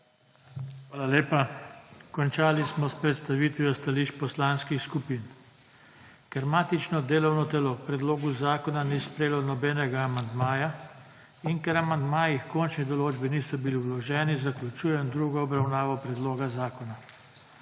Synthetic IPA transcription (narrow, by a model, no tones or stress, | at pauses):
xʋaːlaleːpakɔnt͡ʃaːlismɔspɾɛt̪st̪aʋiːt̪ʋiɔst̪aliʃpɔslaːnskixskupiːn | kɛɾmaːt̪it͡ʃnɔd̪eːlɔwnɔt̪ɛlɔpɾɛd̪loːɡuzaːkɔnanispɾeːlɔnɔbɛːnɛɡaːmand̪maːja | inkɛɾamand̪maːjixkɔnt͡ʃnid̪ɔloːd͡ʒbiniːsɔbiliwlɔʒɛːnizaklʲut͡ʃuːjɛnd̪ɾuːɡɔɔbɾawnaːʋɔpɾɛd̪loːɡazaːkɔna